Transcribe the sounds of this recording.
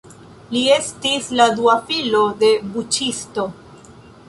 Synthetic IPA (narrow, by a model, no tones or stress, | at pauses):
lie̞stisladuafilo̞de̞but͡ʃisto̞